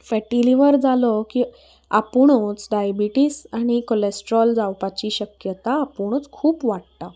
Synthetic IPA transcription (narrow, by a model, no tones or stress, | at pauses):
fɛʈiliʋəɾd͡zʱalɔki | apuɳot͡sɖajbiʈisaɽ̃ikolesʈɾɔld͡zawpat͡ɕiːɕəkjət̪aːpuɳ̃ot͡skʰuːpʋaɽt̪a